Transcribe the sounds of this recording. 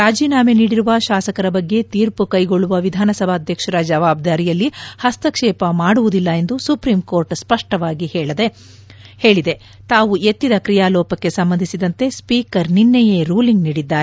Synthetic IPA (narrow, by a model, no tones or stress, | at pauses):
ɾaːd͡ʒiːnaːmeniːɽiɾuʋɐʃaːsɐkɐɾɐbɐɡːe̞t̪iːɾpukɐjɡoɭːuʋɐʋid̪ʱaːnɐsɐbʱaːd̪ʱjɐkʂɐɾɐd͡ʒɐʋaːb̚d̪aːɾijɐlːihɐst̪ɐkʂɛːpɐmaːɽuʋud̪ilːɐe̞nd̪usupɾiːmko̞ːɾʈspɐʂʈɐʋaːɡihɛːɭɐd̪e̞ | heːɭid̪e̞ | t̪aːʋue̞t̪ːid̪ɐkɾijaːlɔːpɐkːe̞sɐmbɐnd̪ʱisid̪ɐnt̪e̞spiːkɐɾninːejeːɾuːliŋɡniːɽid̪ːaːɾe